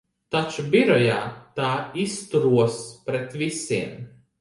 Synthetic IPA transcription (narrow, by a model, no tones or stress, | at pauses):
t̪at͡ʃubiɾɔja̰ːt̪aːist̪uɾuɔspɾet̪visiɛm